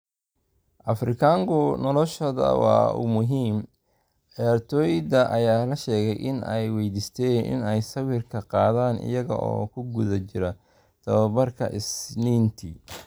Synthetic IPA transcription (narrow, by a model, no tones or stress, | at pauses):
ʔɐfrɪkʰaːŋkʰʊnɔlɔʃɐðɐ̰wɑ̰ːʊ̰mʊɦiːm | ʕijaːrt̪ʰɔːjd̪ɐʔɐjaːlɐʃɛːɣɛjʔɪnɛjwɛjd̪iːst̪ʰɛːnʔɪ̰nɛjsɐwɪrkʰɐqɑːðaːnʔɪ̰jɐɣɐ̰ʔɔ̰ːkʰʊɡʊðɐt͡ʃɪɾɐ | t̪ʰɐβɐbɐrkʰɐ̰ʔɪsniːnt̪ʰi